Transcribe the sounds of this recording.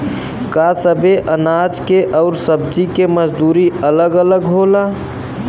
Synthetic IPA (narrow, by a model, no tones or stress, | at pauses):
kasəbʱeʔənad͡ʒkeʔəʊɾsəb̚d͡ʒikeməd͡ʒd̪uɾiələɡələɡɦola